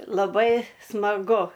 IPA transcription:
lˠɐˈbɐɪ smɐˈɡʊ

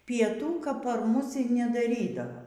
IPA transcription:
pʲiɛˈtuː kɐp pɐr ˈmʊs iː nʲɛdɐˈrʲiːdɐʋɐ

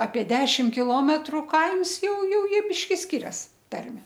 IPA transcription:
ɐpʲiɛ ˈdʲæːʃʲɪm kʲɪˈlˠoːmʲɛtrʊ ˈkɐɪms ˈjɛʊ ˈjɛʊ ˈjiɛ ˈbʲɪʃʲkʲɪ ˈsʲkʲɪrʲɛs ˈtɐrʲmʲɛ

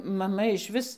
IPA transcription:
mɐˈmɐ ɪʃʲˈʋʲɪs

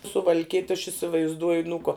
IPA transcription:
sʊʋɐlʲˈkʲiɛtʲ ɐʃ ɪsʲɪʋɐɪzˈduɔj nʊ koː

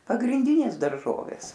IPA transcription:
pɐɡrʲɪnʲˈdʲɪnʲeːs dɐrˈʒoːʋʲeːs

